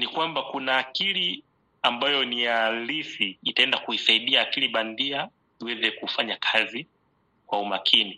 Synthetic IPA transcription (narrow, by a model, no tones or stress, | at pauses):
nikwambakunaːkili | ambajɔnijalisiːtaɛndakuisaiɗiaːkiliɓandia | iwɛzɛkufaɲakʰazi | kwaumakʰini